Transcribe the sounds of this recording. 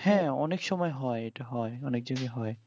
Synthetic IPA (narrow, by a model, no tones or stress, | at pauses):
hɛ̃ɔ̰neksɔmɔjɦɔjetaɦɔjɔnek̚zoɡɛɦɔj